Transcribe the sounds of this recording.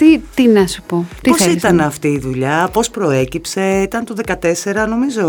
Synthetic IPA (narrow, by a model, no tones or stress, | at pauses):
t̪it̪inɐsu̥potp̪iosit̪ɐnɐft̪iːðuʎɐpo̞spɾo̞e̞cipse̞it̪ɐnt̪uðe̞kɐt̪e̞se̞ɾɐno̞mizo̞